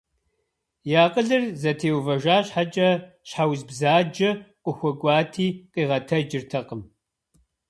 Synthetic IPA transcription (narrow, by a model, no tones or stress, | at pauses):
jaːqʼəɮɨrzɐtʰeːwvɐʒaːɕħat͡ʃʼɐ | ɕħawzbzaːd͡ʒɐqʷʼʊxʷɔɡʷʼɑːtʰiːqiːʁɐtʰɐd͡ʒɪrtʰɐqəm